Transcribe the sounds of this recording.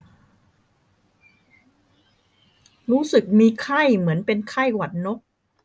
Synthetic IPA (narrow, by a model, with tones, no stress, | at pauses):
ɾuː˦˥sɯ˨˩k̚miː˧kʰa˥˩jmɯ˩˦ənpe˧nkʰa˥˩jwa˨˩t̪̚no˦˥k̚